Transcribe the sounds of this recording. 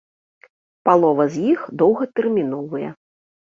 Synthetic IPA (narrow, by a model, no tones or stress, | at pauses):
palˠɔvɐzʲjixd̪ɔwɣɐt̪ɛrmʲin̪ɔvɨjɛ̰